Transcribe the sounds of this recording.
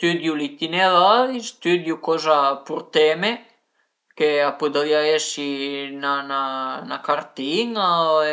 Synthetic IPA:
st̪yd̪julit̪inelalist̪yd̪jukɔzapuɾt̪ɛme | keapud̪avjaesinananakaɾt̪iŋa

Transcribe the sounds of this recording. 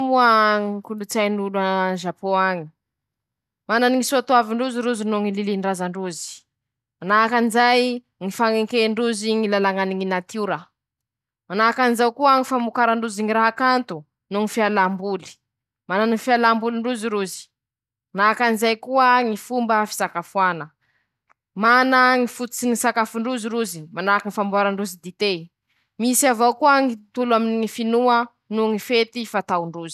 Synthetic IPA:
muaŋkulut͡sajnulanʒapoaɲi̥ | mananiŋisuoat̪uaviɳɖ͡ʐuziɾuzinuŋililiɳɖ͡ʐazaɳɖ͡ʐuzi̥ | manaakanizaj | ŋifaŋeŋkeɳɖ͡ʐuziŋilalaŋaniŋinat̪uɾa | manaakanizawkuaŋifamukaɾaɳɖ͡ʐuziŋiɾaɦakant̪u | nuŋifialambuli̥ | mananufialambuliɳɖ͡ʐuziɾuzi̥ | manakanizajkuəŋifumbəfi̥sakafuanə | manəŋifut̪u̥t͡siŋisakafuɳɖ͡ʐuziɾuzimanakiŋifambuaɾaɳɖ͡ʐuzid̪it̪e | misiavowkuəŋit̪ulaminiŋifinuə | nuŋifet̪ifat̪awɳɖ͡ʐuzi̥

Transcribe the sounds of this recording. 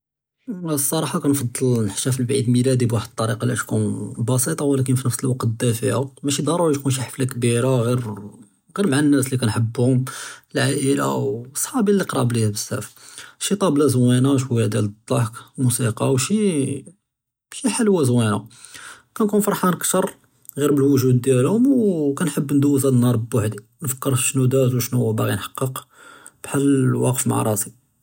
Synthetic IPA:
sˤːɑɾˤɑħɑkænfɑd̪ˤːɑlnəħʃæfilbʕid̪milæd̪ibwaħəd̪̚t̪ˤːɑɾiqɑlæʃkunbɑsˤit̪ˤɑwlæk̬ənfinəfsəlwɑqt̪əd̪æfiʕamæʃid̪ɑrˤuʕʃkunʃ̬iħə̥flækbiɾaɣiɾ | ɣiɾmʕanːæslikænħəbːhʊməlʕaʔəla̰wsˤħɑbilːiqɾˤɑ̰ʕblihæbəsːæ̰fʃit̪ˤɑblæzwænaʃ̬wæjæd̪jæləd̪ˤːɑħkmusiqɑwʃi | ʃiħalwæzwæna̰ | kænkunfɑɾˤħɑnəkt̪əɾˤ | ɣiɾbəlwʊʒud̪ːjælhʊmwkænħəbːnd̪uːzælnːɑɾˤbəbaħd̪i | nfə̥kːəɾʃnud̪æzwʃnubaɣinħɑ̥qːəq | b̥ħalːwɑqəfma̰ʕ̰ɾˤɑ̰si

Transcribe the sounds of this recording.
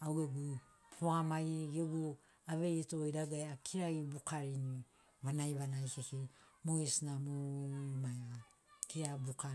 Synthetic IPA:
aweɡu | poamaiɡeɡu | aβe̞jetoiɾaɡaeakʰiɾaibukaɾini | βanajβanajkekimoisnamomajβa | kiɾabuka

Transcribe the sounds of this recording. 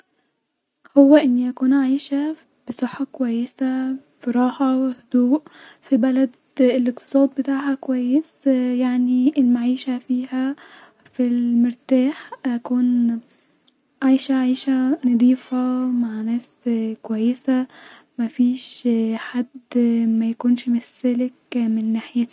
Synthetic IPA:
howːæʔenːiʔækuːnʕajʃæ | b̥esˤɑħːɑkowæjːesæ | fiɾˤɑːhɑwehod̪̥uːʔfibælæd̪ | elʔeq̚t̪ɨ̥sˤɑːd̪̚bet̪aːʕhækowæjːesjaʕniʔelmaʕiːʃæfiːhæ | filmeɾt̪aːħʔækuːn | ʕajʃæʕiːʃænɑd̪ˤiːfɑmaʕnæːs | kowæjːesæ | mæfiːʃħad̪mæjækuːnʃmesːelekmenːaħjæt̪i

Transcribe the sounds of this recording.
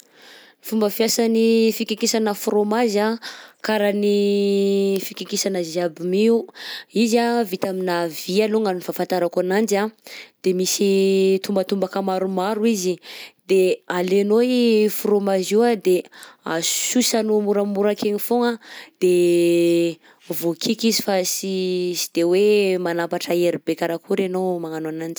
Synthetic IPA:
fumbəfiasanifikikisanəfromazakaɾani | fikikisanəziabimiuizavit̪aminavialoŋanifafant̪aɾakuanand͡ʒad̪̥emisit̪umbət̪umbakəmaɾumaɾuizid̪ealenojfuɾomaziad̪easusanumuɾamuɾakeɲifoŋad̪̥e | vokʰikizifasisi̥d̪̥ewemanapaʈ͡ʂəeɾibekaɾakuɾenomaŋanoanand͡ʒi̥

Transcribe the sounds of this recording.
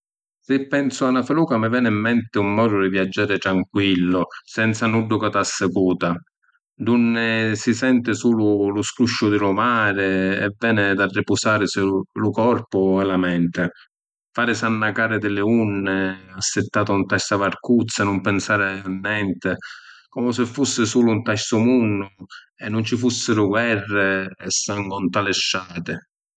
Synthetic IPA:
sɪpːɛnsʊanːafɪluːkamɪvɛːnɪimːɛnt̪ɪumːɔːd̪ʊd̪ɪvjad͡ʒːaːɾɪt̪ɾaŋkwilːʊsɛnt̪sanuɖːʊkat̪asːɪkuːt̪a | d̪unːɪsisɛnt̪ɪsuːlʊlʊskuʃːʊd̪ɪlʊmaːɾɪɛ̰vːɛːnɪd̪arːɪpʊsaːɾɪsɪlʊkɔrpʊɛlamɛnt̪ɪ | faːɾɪsanːakaːɾɪd̪ɪlɪunːɪasːɪt̪ːaːt̪aunt̪ast̪avarkut̪sːanʊmpɪnsaːɾɪanːɛnt̪ɪkɔmʊsɪfːusːɪsuːlʊunt̪asːʊmunːʊ | ɛnːʊnt͡ʃifusːɪɾʊɡwɛrːɪɛsːaŋɡʊnt̪alɪʃːaːt̪ɪ

